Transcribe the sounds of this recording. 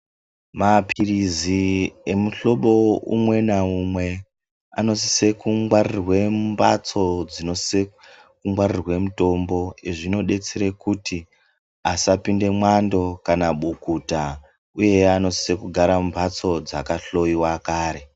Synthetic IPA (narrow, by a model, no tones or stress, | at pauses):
mapʰiriziemuɬo̞ɓo̞ṵmwe̞naumwe̞ | a̰no̞si̥se̞kuŋɡwarirwembat͡so̞d͡zino̞sse | kuŋɡwarirwe̞muto̞mbo̞eʐino̞ɗe̞t͡seɾe̞kuti | asapinde̞mwando̞kanaɓukuta | uje̞ano̞si̥se̞kuɡʱaɾambʱat͡so̞d͡zakaɬo̞jiwakaːɾe̞